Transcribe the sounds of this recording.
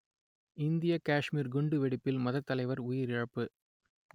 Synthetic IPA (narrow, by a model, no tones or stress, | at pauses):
ɪnd̪ɪjɐkaːʂmiːɾɡʊɳɖɯʋɛɽɪpːɪlmɐðɐt̪ːɐlɐɪʋɐɾʊjɪɾɪɻɐpːɯ